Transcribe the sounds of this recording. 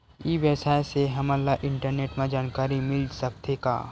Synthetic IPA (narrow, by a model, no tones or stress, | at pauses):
iʋəsaːeseɦɐməlːaʔɪ̃ɳʈəɾneːʈmãd͡ʒaːnkaːɾimɪlsɐk̚t̪eːka̰ː